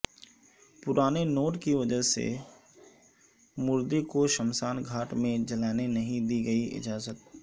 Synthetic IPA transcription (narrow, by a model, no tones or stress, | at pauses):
pʊɾaːnenoːʈkiʋɐd͡ʒəɦsḛ | mʊɾd̪ikoʃəmsaːnɡʱaːʈmẽd͡ʒɐlaːnenɐɦĩd̪iːɡɐiɪ̰d͡ʒaːzət̪̚